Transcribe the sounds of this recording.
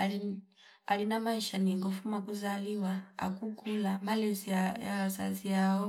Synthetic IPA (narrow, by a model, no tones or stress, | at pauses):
a̰linamaiʃaniŋɡɔfumakuzaliwaa̰kuɡulamalɛzijawaza̰ziaɔ